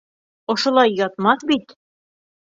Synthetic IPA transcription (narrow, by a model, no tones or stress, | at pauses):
ŏʃŏlˠɑjːɑt̪mɑθbit̪